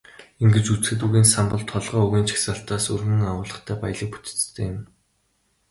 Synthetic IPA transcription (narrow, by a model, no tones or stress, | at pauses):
eŋɡĕt͡ɕut͡sxɘ̆t̪̬uɣiːnsampɞ̆ɮt̪ʰːɔɮʁœːɵɣʲiːnt͡ɕʰi̥xsaːɬt̪aːsɵrmɘ̆ŋawʊːɮə̆χt̪ʰæːpaj̆ɮə̆k̚pu̥t̪ɘ̥̆t͡st̪ʰeːɪm